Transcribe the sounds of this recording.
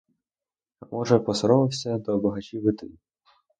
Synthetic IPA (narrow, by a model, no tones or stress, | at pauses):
mʔɔʒɛpɔsɔɾɔʋɪwsʲɐd̪ɔbɐɦɐt͡ʃʲiʋɪt̪ɔlʲi